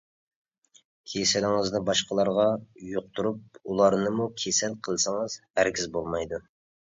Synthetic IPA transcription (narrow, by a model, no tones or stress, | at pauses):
kʲʰesɪlɪŋəzd̪ɨbɑʃqəlˠɑɾʁɑjoq̚t̪uɾup̚ulˠɑɾnɨmukʲʰesɛlqʰəlˠsəŋəz̥hæɾkʲizbolˠmɑjd̪u